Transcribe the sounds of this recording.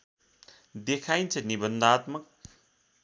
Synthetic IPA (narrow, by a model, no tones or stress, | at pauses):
d̪ekʰajnt͡sʰʌnibʌnd̪at̪mʌk̚